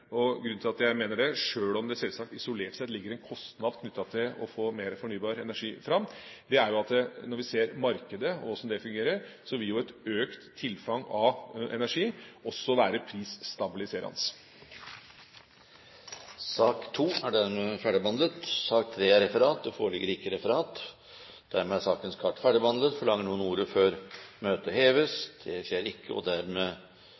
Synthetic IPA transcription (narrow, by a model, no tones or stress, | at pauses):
ɔɡɾʉnt̪ʰɪlɑt̪jæɪmeːnəɖɛʂøːɭɔmd̪ɛsɛlsɑk̚t̪ɪsʊleːʈsɛlɪɡːəɾɛnkʰɔst̪nɑd̪kʰnʏt̪ːɑt̪ʰɪlɔ̰foːmeːɾəfɔɳyːbɑːɾɛnæʂiːfɾɑmːd̪ɛæɾjʊɑt̪d̪ənɔɾʋɪseːɾmɑɾkəd̪əɔɔsɔmd̪ɛfʉŋɡeːɾəɾsɔʋɪljʊɛt̪øːkt̪ʰːɪlfɑŋɑʋʔɛ̰næʂiːɔsːɔʋæːɾəpʰɾiːssːt̪ɑbɪlɪseːɾɑ̰ns | sɑːkt̪ʰuːæɖæɾmɛfæɖəbɑnd̪lət̪sɑːk̚t̪ʰɾeːæɾɛfəɾɑːt̪̚d̪ɛfo̰ːɾɭɪɡːəɾɪkːəɾɛfəɾɑːt̪ | d̪̥æɾmɛæsɑːkənskʰɑʈːfæɖəbɑnlət̪fɔɭɑŋːəɳuːənuːɾəføːɾmøːt̪əheːʋəsd̪̥ɛɕeːɾɪkːəɔ̰d̪æɾmɛ